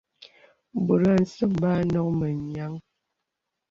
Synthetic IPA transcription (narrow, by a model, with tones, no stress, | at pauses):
bu˨ɾa˦˨n̩˨sə˦˨mba˦nɔ˦k̚mə˨ɲ˨a˦ŋ